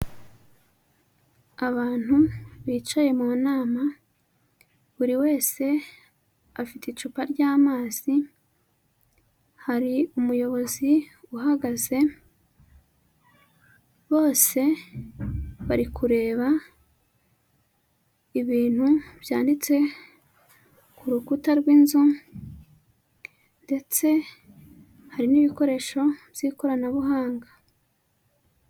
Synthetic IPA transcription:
aβaːn̥huβiːt͡ʃaje̞muːnaːma | βuɾiwe̞ːse̞ | afiteit͡ʃupaɾɟaːmaːz̥i | haɾiumujo̞βo̞ziuhaɡaze̞ | βo̞ːse̞ | βaɾikuɾe̞ːβa | iβiːn̥hubjaːndit͡se̞ | kuɾukutaɾɡwinzu | nde̞t͡se̞ | haɾiniβiko̞ɾe̞ːʃo̞bjiko̞ɾanaβuɦaːŋɡa

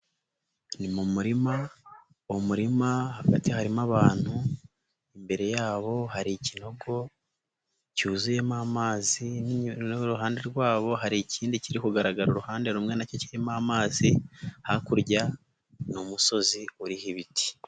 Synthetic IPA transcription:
nimumuɾima | umuɾimahaɡatihaɾimaβaːn̥hu | imbe̞ɾe̞jaːβo̞ɦaɾicino̞ɡo̞ | cuzuje̞mamaːzinɾuɦaːnde̞ɾɡwaːβo̞ɦaɾiciːndiciɾikuɡaɾaɡaɾuɾuhaːnde̞ɾuːmŋe̞naco̞ciɾimamaːzihakuɾɟa | numuso̞ziuɾihiβiti̥

